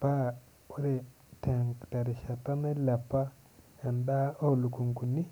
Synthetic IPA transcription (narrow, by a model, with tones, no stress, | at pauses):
pa˦˨ | o˦ɾe˨ | tʰe˨ŋkta˨ɾi˨ʃa˨ta˦me˦la˨pːa˦ | a˨nda˦o˦˨lu˨ku˨ŋku˨ni˦